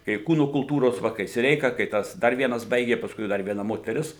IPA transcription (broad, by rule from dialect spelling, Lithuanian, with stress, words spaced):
kɐɪ ˈkuːnoː kʊlˠˈtuːroːs ˈʋɐ kɐɪ sʲɪˈrʲɛɪkɐ kɐɪ ˈtɐs ˈdɐr ˈʋʲiɛnɐs ˈbɐɪɡʲeː pɐsˈkʊɪ ˈdɐr ʋʲiɛˈnɐ moːtʲɛˈrʲɪs